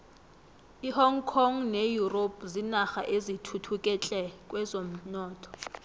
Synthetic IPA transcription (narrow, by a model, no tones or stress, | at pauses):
ihɔŋkʰɔŋnejuropzinaxaʔezitʰutʰukʼɛt͡ɬʼɛkʼwɛzom̩nɔːtʰɔ̥